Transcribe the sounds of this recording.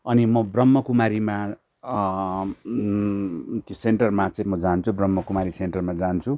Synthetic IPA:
ʌnimʌbrʌmːʌkumaɾima | t̪joseɳʈʌrmat͡sʌĩmʌd͡zant͡sʰubrʌmːʌkumaɾiseɳʈʌrmad͡zant͡sʰu

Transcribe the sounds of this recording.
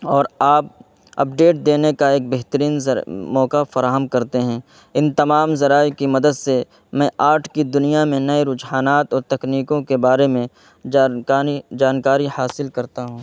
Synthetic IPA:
ɔːɾaːp̚ | ɐ̰p̚ɖeːʈ̚d̪eːnekaeːk̚bɛɦt̪əɾiːnmɔːkafɐɾaːɦəmkɐɾt̪eɦɛ̃ː | ɪnt̪ɐmaːmzɐɾaːjkimɐd̪əd̪se | mɛ̃ːʔaːʈʰkid̪ʊnijamẽnɐeɾʊd͡ʒɦaːnaːt̪ɔːɾt̪ɐkniːkõkebaːɾemẽ | id͡ʒaːnkaːɾihaːsɪlkɐɾt̪aɦũː

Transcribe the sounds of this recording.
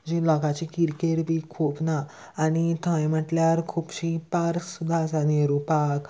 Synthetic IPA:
d͡ʑilɔkat͡ɕikiɾkeɾbikʰupnaː | ñit̪ʰãjməʈljaɾkʰupɕipaɾksud̪ʱːasaniɾupak

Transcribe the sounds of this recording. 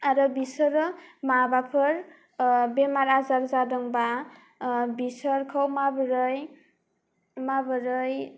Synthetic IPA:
ɾʌbisʌɾʌmabapʰʌɾ | bemaɾad͡zaɾd͡zadʌŋba | bisʌɾkʰʌwmabɾʌj | mabʌɾʌj

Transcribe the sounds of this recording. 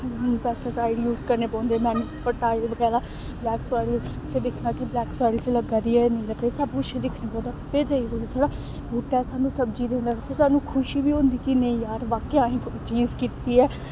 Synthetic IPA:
pɛːsʈəɾsaːɪɖjuːzkəɾneːpɔ̃ːnd̪eːmɛ̃ːnũːpəʈaːɪlbəɡɛːɾaː | blɛːksaːɪl | t͡ʃed̪ɪkʰnaːkɪblɛːksaːɪlt͡ʃləɡaːd̪iːɛːnəĩːləɡesəbkʊt͡ʃʰed̪ɪkʰneːpɔ̃ːd̪aːpeːd͡ʒaiɦoːd̪aːsaːɽaː | bʱuːʈasaːnũːsəb̚d͡ʒiːd̪eːnd̪aɡaːpʰɪɾsaːnũːkʰʊʃiːbiːɦõnd̪iːkinəĩjaːɾʋaːkeaːẽːkit͡ʃiːzkit̪iːɛː

